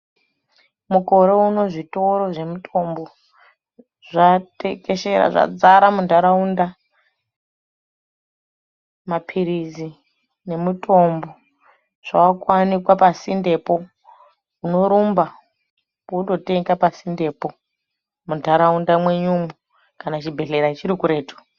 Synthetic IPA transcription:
muko̞ɾe̞uno̞ʐito̞ɾo̞ʐe̞mutʰo̞mbo | ʐatekeʃeɾa̰ʐa̰d͡zaɾamundaɾaunda | mapʰiɾizi | ne̞mutʰo̞mbo̞ | ʐ̥aakwanikwapasinde̞po̞ | uno̞ɾumba | puɗo̞teŋɡapasinde̞ːpo̞ | mundʱaɾaundamwe̞ɲumu | kanat͡ʃibʱe̞ɬeɾait͡ʃiɾikuɾe̞ːtu̥

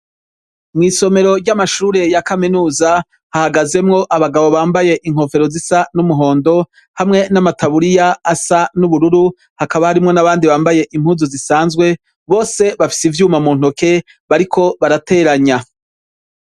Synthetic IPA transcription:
mŋiːso̞me̞ɾo̞ɾɟamaʃuːɾe̞jakaminuːza | hahaɡaze̞mŋo̞ʔaβaɡaβo̞βaːmbaje̞ʔiŋ̥ho̞fe̞ɾozisanumuɦo̞ːndo̞ | hamŋe̞namataβuɾijaːsanuβuɾuɾu | hakaβahaɾimŋo̞naβaːndiβaːmbaje̞ʔim̥huːzuzisaːnzɡwe̞ | βo̞ːse̞βafi̥sivjuːmamuːn̥ho̞ke̞ | βaɾikʰo̞βaɾate̞ːɾaɲa

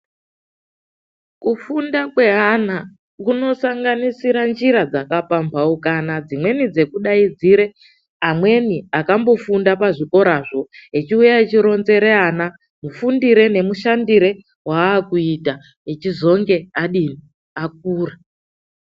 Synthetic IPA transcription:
kufundakwe̞ɦana | kuno̞saŋɡanisiɾand͡ʒiɾad͡zakapampʰaukanad͡zimwe̞nid͡ze̞kuɗaid͡ziɾe̞ | amwe̞niakambo̞fundapaʐiko̞ɾaʐo̞et͡ʃiujaet͡ʃiɾo̞nze̞ɾe̞ana | mufundiɾe̞ne̞muʃandiɾe̞ | waːkuita | et͡ʃizo̞ŋɡe̞aɗini | ak̚uːra

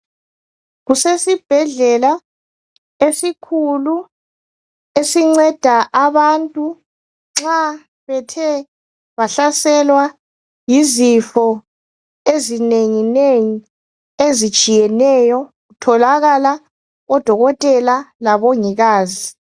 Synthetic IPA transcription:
ɣusesib̥ʱɛɮɛla | esikʰulu | esiŋ͡ǀɛd̥ʱaʔaβantʼu | ŋ͡ǁa | βɛtʰɛ | βaɬasɛlwa | jizifɔ | ezineŋineŋi | ezi̥t͡ʃʼijɛnɛjɔɣutʰɔlaɣala | ɔd̥ʱɔɣɔtʼɛlalaβɔŋiɣaːzi

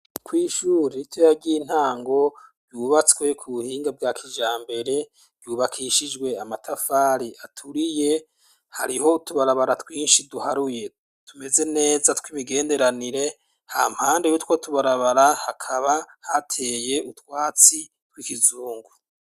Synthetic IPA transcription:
kwiːʃuːɾitʰwojabɟiːn̥haːŋɡo̞ɾɟuːβat͡skwe̞kʰuβuhiːŋɡab̚ɡaːkʰiʒaːmbe̞ɾe̞̥ | ɟuːβakʰiʃid͡ʒɡwe̞amatʰafaːɾiʔatʰuɾije̞ | ha̰ɾiho̞tuβaɾaβaɾatwiːnʃiduhaɾuje̞ | tʰume̞ze̞ne̞ːzatwimiɡe̞ːnde̞ɾaniɾe̞ | ha̰ːm̥haːndejutwotʰuβaɾaβaɾahakʰaβahatʰe̞ːje̞ʔutwaːt͡si | twikizuːŋɡu

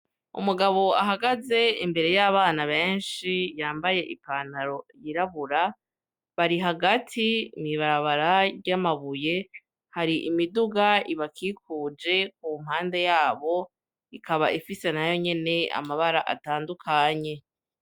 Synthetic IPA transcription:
ṵmuɡaβo̞aɦaɡaze̞imbe̞ɾe̞jaβaːnaβe̞ːnʃijaːmbaje̞ʔikanaɾo̞jiɾaβuɾa | βaɾiɦaɡatʰimiβaɾaβaɾaɾɟamaβuje̞ | haɾiʔimiduɡaiβakʰiːkʰuːd͡ʒe̞k̚um̥haːnde̞jaːβo̞ | ikʰaβaʔifise̞najo̞ɲe̞ne̞a̰maβaɾa̰ʔa̰taːndukʰaɲe̞

